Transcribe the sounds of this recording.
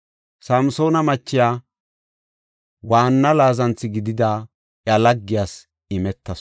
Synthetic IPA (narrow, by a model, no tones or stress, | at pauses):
sɐmso̞ːnɐmɐt͡ʃːɪjaː | waːnːɐlaːzɐnt͡sːɪɡɪd̪ɪd̪aː | ʔjɐlɐɡːɪjaːs | ɪmɛt̪ːɐs